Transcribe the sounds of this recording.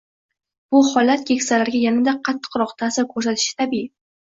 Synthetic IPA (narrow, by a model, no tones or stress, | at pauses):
b̥ʊhɒlat̪̚kʲʰekʲsalaɾɡʲajanad̪aqʰɑt̪ʰːɨ̥qɾɒqt̪ʰasɪɾkʰɵɾs̬at̪ʰɪ̥ʃɪ̥t̪ʰabi